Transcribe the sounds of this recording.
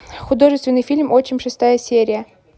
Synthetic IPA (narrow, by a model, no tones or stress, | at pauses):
xʊd̪o̞ʐɨst̪vʲɪnːɨjfʲilʲmot͡ɕɪnʲʂɨst̪ajəsʲeɾʲɪjə